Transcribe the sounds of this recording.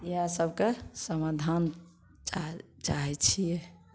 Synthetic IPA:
jasəbʱkesəmad̪ʱan | t͡ʃaɦɛt͡ʃʰijɛ

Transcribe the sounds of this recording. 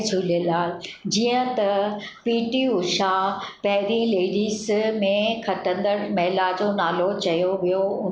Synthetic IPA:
d͡ʑʱuːlelaːd͡ʑiːə̃t̪ɐpiːʈiʊʃapɐɦɪɾĩleːɖiːzmẽkʰɐʈə̃nd̪əɾmɐɦlad͡ʑonaːlot͡ɕɐjoʋijoʊ

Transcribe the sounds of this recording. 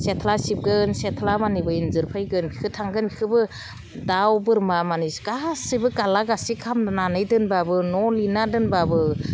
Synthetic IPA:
setʰlasip̚ɡɯnsetʰlamanibɯinzɯɾpʰajɡɯnbikʰɯtʰaŋɡɯnbikʰɯbɯ | dawbɯɾmamaniskasɯbɯkalaɡasikʰamnananɯjdɯnbabɯnɔlinadɯnbabɯ

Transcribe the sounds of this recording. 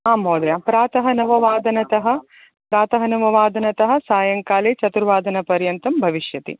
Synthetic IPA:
aːmɦoːd̪japɾaːt̪ɐɦɐnɐʋɐʋaːd̪ɐnɐt̪ɐɦɐ̆ | pɾaːt̪ɐɦɐnɐʋɐʋaːd̪ɐnɐt̪ɐɦɐ̆saːjɐŋkaːleːt͡ʃɐt̪uɾʋaːd̪ɐnɐpɐɾjɐnt̪ɐmbʱɐʋiʃjɐt̪ḭ

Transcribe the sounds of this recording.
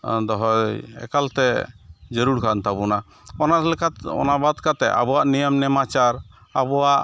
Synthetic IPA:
d̪ɔɦɔɛ̰kalt̪ɛd͡ʒəɾuɽkʰant̪abuna | ɔnaɾlɛkat̪ɔ̰nabad̪kat̪ɛʔa̰bɔwaʔnijəmnɛmat͡ʃaɾ | abɔwaʔ

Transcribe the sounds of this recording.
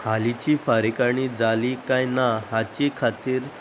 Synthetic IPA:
halit͡ɕiːfaɾikaɽ̃id͡zalikãjnaɦat͡ɕikʰat̪iːɾ

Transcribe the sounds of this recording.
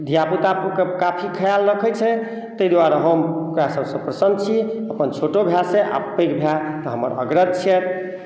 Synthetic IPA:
d̪ʱijaput̪apkekapʰikʰəjalɾəkʰɛt͡ʃʰɛ | t̪əjd̪waɾeɦəmkɾasəbsə̃pɾəsənd̪t͡ʃʰiəpənt͡ʃʰoʈobʱjaseʔa̰pəkbʱjat̪əɦəmə̰ɾə̰ɡɾəd̪̚t͡ʃʰɛt̪ʰ

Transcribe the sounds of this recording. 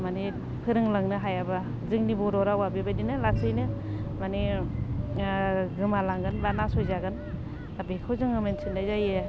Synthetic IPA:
mani | pʰɯɾɯŋlaŋnɯɦajaba | zɯŋnibɔɾɔɾawabebajdinɯlasɯjnɯmani | ɡɯmalaŋɡɯnbanasojzaɡɯn | abekʰawzɯŋɯmensʰindazaje

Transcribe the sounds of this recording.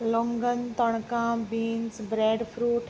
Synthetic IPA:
lɔ̃ŋɡənt̪ɔɽ̃kãːbiːnsbɾeːɖpʰɾuːʈ

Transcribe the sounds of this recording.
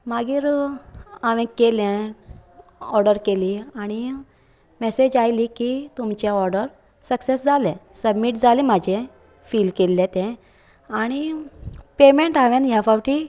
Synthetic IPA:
maɡiːɾ | aʋɛ̃kelɛ̃ | ɔɾɖəɾkeliaɽ̃i | mesed͡ʑajlikit̪umt͡ɕjaɔɾɖəɾ | səksesd͡zalɛ̃səbmiʈd͡zalĩmad͡ʑʱɛ̃ | fiːlkelːɛ̃t̪ɛ̃ | aɽ̃i | pemeɳʈaʋɛ̃njafawʈi

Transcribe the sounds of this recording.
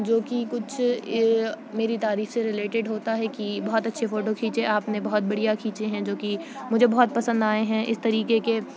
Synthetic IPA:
d͡ʒoːkikʊt͡ʃʰ | meːɾit̪aːɾiːfseɾɪleːʈɪɖɦoːt̪aɦɛkibɐɦɔt̪ɐtːʃʰefoːʈokʰiːt͡ʃeʔaːpnebɐɦt̪̚bɐɽijakʰiːt͡ʃeɦɛ̃d͡ʒoːkimʊd͡ʒʱebɔɦɔt̪̚pɐsə̃nd̪aːeɦɛ̃ʔɪ̰st̪ɐɾiːkeke

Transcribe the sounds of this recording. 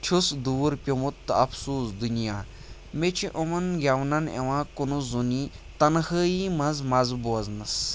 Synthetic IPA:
t͡ʃʰusd̪uːɾpʲimut̪ːɨɐpʰsuːsd̪unijaː | met͡ʃʰiʔomɐnɡʲɐwnɐnḛʋãːkunuzuni | t̪ɐnhəːjimɐ̃zmɐzboɐznɐs

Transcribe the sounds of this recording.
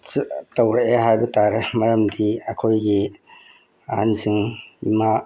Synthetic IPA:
tɐwɾeʔeɦajbɐtaɾemɐɾɐmdiɐkʰojɡi | ɐhansɯŋima

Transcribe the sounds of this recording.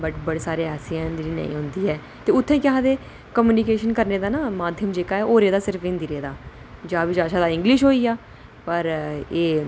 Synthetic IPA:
bəʈbəɽeːsaːɾeːaːsijãːɪnd̪iɾiːnə̰̃ḭ̃ːɦʊ̃nd̪iːɦɛː | t̪eːʊt̪ʰːẽːkɪɦãːd̪eː | kəmjuːnikeːʃənkəɾneːd̪aːnaːmaːd̪ʱjəmd͡ʒeːkaːɛːʔoːɾeːd̪aːsɪɾəfɪnd̪iɾeːd̪aː | d͡ʒaːbid͡ʒaːʃaːd̪aːɪ̃ŋɡlɪʃ̬ɦoːiːaː | pəɾeː

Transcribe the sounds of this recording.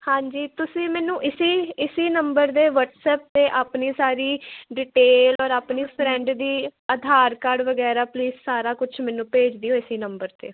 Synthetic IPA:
hãːɲd͡ʒiːt̪ʊsĩːmɛːnũːʔɪsiːɪsiːnəmbəɾt̪eːʋəʈsɛːp̚t̪eːʔaːpniːsaːɾiːɖɪʈeːlɔːɾaːpniːpʰɾɛ̃ːɳɖd̪iːəd̪ʱaːɾkaːɖʋəɡɛːɾaːpliːzsaːɾaːkʊt͡ʃʰmɛːnũːpeːd͡ʒd̪iːoːɪsiːnəmbəɾt̪ḛː

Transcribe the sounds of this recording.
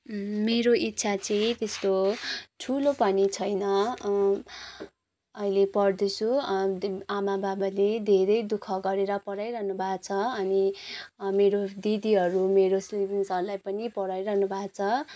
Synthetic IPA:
meɾoʔit̪ːsʰat͡sʌĩt̪est̪oʈʰulopʌnit͡sʰʌjnʌ | ʌilepʌrd̪et͡sʰu | amababaled̪ʱeɾʌjd̪ukʰʌɡʌɾeɾʌpʌɽajɾʌɦnubʱat͡sʰʌʌni | meɾod̪id̪iɦʌɾumeɾoslibinsʌɾulajpʌnipʌɽajɾʌɦnubʱat͡sʰʌ

